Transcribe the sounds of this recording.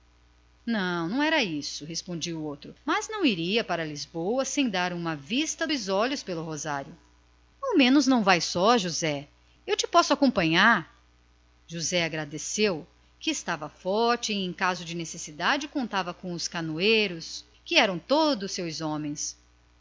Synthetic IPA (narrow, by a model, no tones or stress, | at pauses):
nɐ̃w̃nɐ̃w̃ɛɾɐisʊhespõd͡ʒiwʊowt̪ɾʊmɐznɐ̃w̃iɾiɐpaɾɐlizbowɐsẽj̃d̪aɾũmɐvist̪ɐzɔʎʊspelʊɦozaɾjʊ | awmẽnʊznɐ̃w̃vajsɔʒuzɛ | ewt͡ʃɪpɔsʊakõpɐ̃ɲaɾ | ʒuzɛaɡɾad̪esew | kɪːst̪avɐfɔɾt͡ʃɪẽj̃kazʊd͡ʒɪnesesid̪ad͡ʒɪkõnt̪avɐkõʊskanuejɾʊs | kɪɛɾɐ̃w̃t̪od̪ʊsːewzɔ̃mẽj̃s